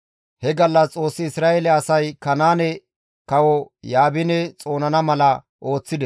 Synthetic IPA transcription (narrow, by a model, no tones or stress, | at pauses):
hɛɡɐlːɐt͡sʼo̞ːsːɪɪsɾaːelɛɐsɐjkɐnaːnɛ | kɐwɔjaːbɪnɛt͡sʼo̞ːnɐnɐmɐlɐ | ʔo̞ːt͡sːɪd̪ɛ